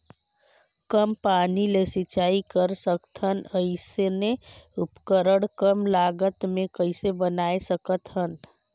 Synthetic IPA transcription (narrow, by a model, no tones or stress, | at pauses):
kəmpaːnilesɪt͡ʃaːikəɾsəkt̪ɦənəɪseneʊpkəɾəɽkəmlaːɡət̪mẽkəɪsebənaːesəkət̪ɦən